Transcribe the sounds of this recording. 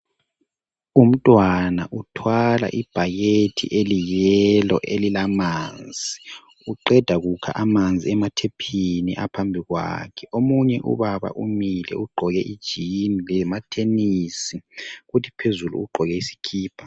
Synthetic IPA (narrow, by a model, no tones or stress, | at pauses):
um̩tʼwanaʔutʰwala̰ʔib̥ʱaɣetʰḭʔelijɛlɔ̰ʔelilamaːnd͡zʱi | uǃɛd̥ʱaɣukʰa̰ʔamand͡zʱiɛmatʰepʰinḭʔapʰambʱiɣwa̰kʰɛomuɲɛʔṵβaβa̰ʔumilɛ̰uɡ͡ǃʱɔɣɛʔid̥ʒ̥ʱinilɛmatʰenisiɣutʰi̥pʰezulṵuɡ͡ǃʱɔɣɛisi̥kʰiːpʰa